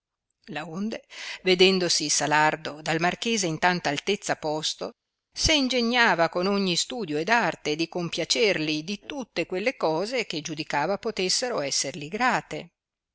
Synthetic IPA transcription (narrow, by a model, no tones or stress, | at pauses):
laond̪eved̪ɛnd̪osisalard̪od̪almarkeːzeint̪ant̪aːlt̪et̪sːapɔst̪o̰ | seind͡ʒeɲːaːvakonoɲːist̪uːd̪joed̪art̪ed̪ikompjat͡ʃerlid̪it̪ut̪ːekwelːekɔːzek̟ed͡ʒud̪ikaːvapot̪esːeɾoɛsːerliɡɾaːt̪e